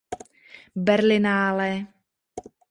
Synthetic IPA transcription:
bɛɾlɪnaːlɛ

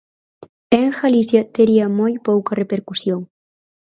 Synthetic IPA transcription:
eŋxalisjat̪eɾiamojpowkɐrepeɾkusjoŋ

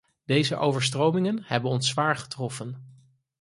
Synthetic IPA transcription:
d̥ejzəʔowvəɹstrowmɪŋənhɛbənɔnsʋaːɹχə̥trɔfən

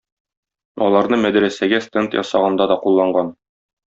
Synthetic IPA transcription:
ɒlˠɑɾnɤmæd̪ɾæsæɡæst̪ent̪jɒ̰sɑʁɑnd̪ɑd̪ɒqulˠːɑɴɢɑn

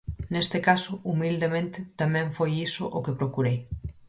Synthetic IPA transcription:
nest̪ekasoumild̪emẽnt̪et̪amɛ̃ɱfojisoʔokepɾokuɾej

